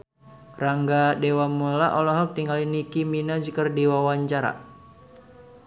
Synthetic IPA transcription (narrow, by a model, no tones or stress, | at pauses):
raŋɡadewamulaʔɔlɔɦɔk̚t̪iŋɡalinikiminad͡ʒikərdiwawaɲt͡ʃaɾa̰